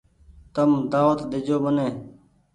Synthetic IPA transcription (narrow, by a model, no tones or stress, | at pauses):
t̪əmd̪aːʋət̪d̪ɪd͡ʒoːbəneː